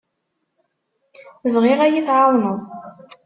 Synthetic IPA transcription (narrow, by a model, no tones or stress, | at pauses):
vʁiʁæjiθʕɑðˤnəðˤ